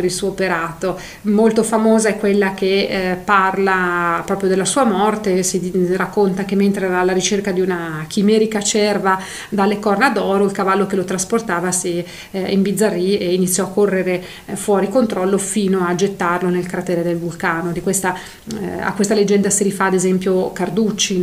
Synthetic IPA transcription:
eɾilsuːopeɾaːt̪o | molt̪ofamoːzaɛkːwelːak̟eparlapɾɔːpɾjod̪elːasuːamɔrt̪esirakːont̪ak̟emːent̪ɾeɛɾalːaɾit͡ʃerkad̪iunakimɛːɾikat͡ʃɛrva | d̪alːekɔrnad̪ɔːɾoilkavalːokelot̪ɾasport̪aːvasi | imbid̪zːarːieinit̪sːjɔakːorːeɾe | fwɔːɾikont̪ɾɔlːofiːnoad͡ʒet̪ːarlonelkɾat̪ɛːɾed̪elvulkaːnod̪ikwest̪a | a̰kːwest̪aled͡ʒːɛnd̪asiɾifaːd̪ezɛmpjokard̪ut͡ʃːi

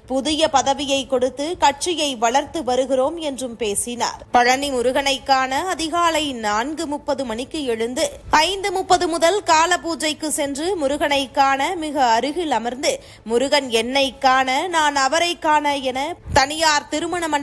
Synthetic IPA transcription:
pʊðɪjɐpɐðɐʋɪjɐɪkɔɽɯt̪ːɯkɐʈ̚t͡ʃɪjɐɪʋɐɭɐɾt̪ɯʋɐɾɯɣɪroːmɛndrɯmpeːsɪna̰ːɾpɐɻɐnimʊɾɯɣɐɳɐɪkːaːnɐɐðɪɣaːlɐɪnaːnɡɯmʊpːɐðɯmɐɳɪkːɯɛɻɯnd̪ɯɐɪnd̪ɯmʊpːɐðɯmʊðɐlkaːlɐpuːd͡ʒɐɪkːɯsɛndrɯmʊɾɯɣɐɳɐɪkːaːnɐmɪɣɐːɾɯɣɪlɐmɐɾnd̪ɯ | mʊɾʊɣɐnɛnːɐɪkːaːnɐnaːnɐʋɐɾɐɪkːaːnɐɛnɐt̪ɐnɪjaːɾt̪ɪɾɯmɐɳɐmɐ

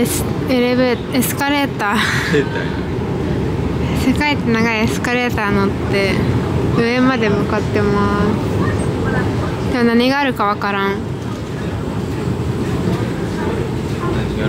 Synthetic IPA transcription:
eɾebe | esɨ̥kaɾe̞ːt̪aː | sekait̪ːenaɡaiesɨ̥kaɾe̞ːt̪aːnot̪ːe̞ | ɯ̟emad̪e̞mɯ̟kat̪ːe̞masɨ | d̪emonaɲ̟iɡaːɾɯ̟kaβakaɾãŋ

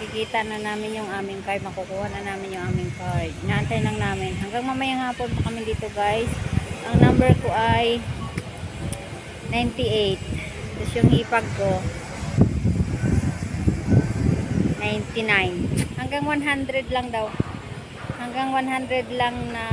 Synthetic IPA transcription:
kɪkiːt̪ɐnɐnaːmɪnjʊŋaːmɪŋkajmɐkʊkuːhanɐnaːmɪnjʊŋʔaːmɪŋkaɹdnɐʔɐnt̪ɐjlɐŋnaːmɪnɦɐŋɡaŋmɐmɐjaŋhaːpont̪ɐkɐmɪnd̪iːt̪oɡajsʔɐŋnambɛɹkoʔaj | najnt̪ɪʔejt̪̚ | t̪osjʊŋhiːpɐɡ̚ko | najnt̪ɪnajnhɐŋɡaŋwanɦand̪ɾɛd̪lɐŋd̪aw | hɐŋɡaŋwanhand̪ɾɛd̪laŋnɐ

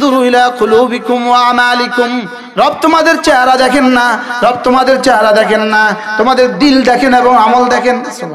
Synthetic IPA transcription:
d̪uɾuilaquluːbikumwaamaːlikum | ɾɔb̚t̪omad̪eɾt͡ɕɛɦaɾad̪ɛkʰenːaɾɔb̚t̪omad̪eɾt͡ɕɛɦaɾad̪ɛkʰenːat̪omad̪eɾd̪ild̪ɛkʰeneboŋamold̪ɛkʰen

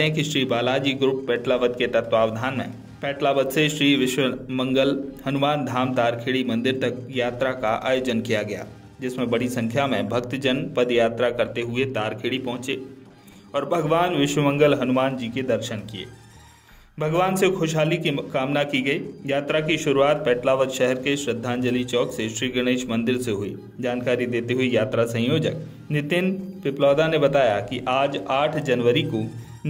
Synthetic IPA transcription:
eɦɛ̃kiʃɾiːbaːlaːd͡ʒiːɡɾupːɛːʈlaːʋəd̪ket̪ɐt̪waːʋd̪ʱaːnmḛ̃ | pɛːʈlaʋəd̪seʃɾiːʋɪʃwəmɐ̃ŋɡəlhɐnʊmaːnd̪ʱaːmt̪aːɾkʰeːɽimɐ̃nd̪ɪɾt̪ɐkjaːt̪ɾakaʔa̰ːjoːd͡ʒənkijaɡɐja̰ː | d͡ʒɪsmẽbɐɽ̤isɐ̃ŋkʰjamẽbʱɐkt̪d͡ʒənpɐd̪jaːt̪ɾakɐɾt̪eɦʊet̪aːɾkʰeːɽipɐ̃ɦʊ̃t͡ʃe | ɔːɾbʱɐɡʋaːnʋɪʃwəmə̃ŋɡəlɦɐnʊmaːnd͡ʒiːked̪ɐɾʃənkiḛː | bʱɐɡʋaːnsekʰoːʃɦaːlikikaːmnakiɡɐiːjaːt̪ɾakiʃʊɾuaːt̪̚pɛːʈlaːʋət̪ʃɛɦɛɾkeʃɾəd̪ʱːãːnd͡ʒəlit͡ʃɔːkseʃɾiːɡɾɪñeːʃmɐ̃nd̪ɪɾseɦʊḭ | d͡ʒaːnkaːɾid̪eːt̪eɦʊijaːt̪ɾasɐ̃ɦjoːd͡ʒək | nɪt̪ɪnpɪplɔːd̪anebɐt̪aːjakiʔaːd͡ʒaːʈʰd͡ʒɐnʋəɾiko

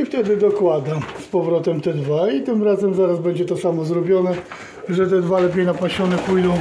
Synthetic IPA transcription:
ift̪ɛd̪ɘd̪ɔkwad̪aspɔvɾɔt̪ɛmt̪ɛd̪vait̪ɘmɾazɛmzaɾazbɛɲd͡ʑɛt̪ɔsamɔzɾɔbʲjɔnɛ | ʐɛt̪ɛd̪valɛp̬ʲjejnapaɕɔnɛpujd̪ɔ̃w̃

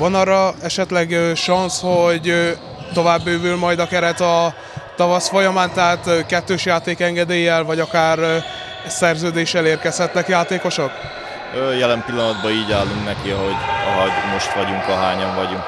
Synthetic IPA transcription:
vɒnɒrːɒɛʃɛt̪lɛɡʃɒnsho̞ɟ | t̪o̞vaːbːøːvylmɒjd̪ɒkɛɾɛt̪ɒ | t̪ɒvɒsfo̞jɒmaːnt̪ɛɦaːt̪kɛt̪ːøːʃjaːt̪eːkɛŋɡɛd̪eːjɛlvɒɟɒkaːr | sɛrzøːd̪eːʃːɛleːrkɛshɛt̪nɛkjaːt̪eːko̞ʃok | øːjɛlɛmpilːɒnɒd̪bɒiːɟaːlːuŋknɛkiɒɦo̞ɟɒ̰ɦɒɟmo̞ʃt̪ʋɒɟuŋkɒɦaːɲɒɱvɒɟuŋk

